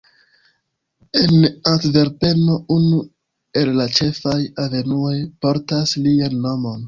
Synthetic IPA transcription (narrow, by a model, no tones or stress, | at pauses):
enatve̞ɾpe̞no̞unu | e̞lːat͡ʃe̞fajave̞nuo̞jpo̞ɾtaslianːo̞mo̞n